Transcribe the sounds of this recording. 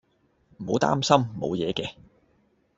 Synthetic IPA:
m̩˨˩ho̰˨˧wt̪a̰ː˥msɐ˥mmo̰˨˧wjɛː˨˧kɛː˧

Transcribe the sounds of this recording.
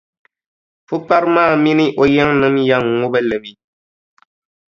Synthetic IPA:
fʊ˦pa˦ɾɨ˦maː˦˨mi˦nɨ˦ʔo˦jɛ˦ŋnɨ˦mja˦ŋ˨ŋʊ˦bɛ˦lɨ˨mi˦

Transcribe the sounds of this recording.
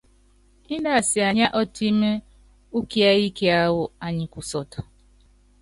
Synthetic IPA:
ɪ˦da˦˨sɪ˨a˨ɲa˦ʔɔ˦ti˦me˦ | u˦ki˦a˦i˦ke˦a˦wʊ˨a˨ɲɪ˨kʷʊ˨sɔ˨tɔ̥˨

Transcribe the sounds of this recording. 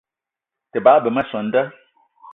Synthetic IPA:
tə˨baː˨˦bə˨mə˦sɔ˨n̩˦də˦

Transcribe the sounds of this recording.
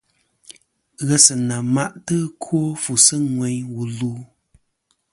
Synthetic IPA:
ɣɛ˦sɨ˨na˨ma˦˨ʔtɨ˦kʰo˦fu˨sɨ˦ŋwɛ˨ɲwu˨luː˦

